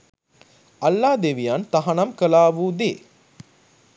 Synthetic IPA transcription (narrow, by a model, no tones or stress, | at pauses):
alːaːd̪eʋijant̪aɦanamkəlaːʋud̪eː